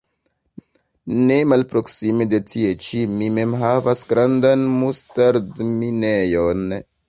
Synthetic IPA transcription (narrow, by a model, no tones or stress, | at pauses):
ne̞malpɾo̞ksimede̞tie̞t͡ʃimime̞mɦavasɡɾandanmustaɾdminejon